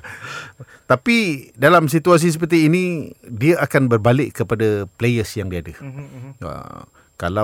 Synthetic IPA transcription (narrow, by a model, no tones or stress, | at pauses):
t̪apidalams̬it̪uas̬is̬əp̬ərt̪iːnĩdiaʔakanbərbalɪʔkːəpadaplejəsjaŋdiadə | a̰ | kala